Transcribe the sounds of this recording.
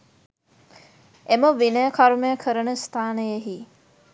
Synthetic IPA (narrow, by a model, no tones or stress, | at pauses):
eməʋinəjəkʰaɾumejəkʰəɾənəst̪ʰaːnəjeɦi